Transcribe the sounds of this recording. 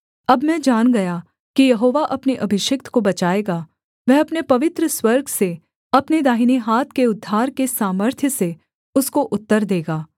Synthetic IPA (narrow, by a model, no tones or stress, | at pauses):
ɐbmɛ̃d͡ʒaːnɡɐja | kijɐɦoːʋaʔɐpneʔɐbʱɪʃɪkt̪kobɐt͡ʃaːeːɡaː | ʋɛɦɐpnepɐʋɪt̪ɾəswɐɾɡʱse | ɐpned̪aːɦiniɦaːt̪̚ʰkeʊd̪ʱːaːɾkesaːməɾt̪ʰjəse | ʊskoʔʊt̪ːəɾd̪eːɡaː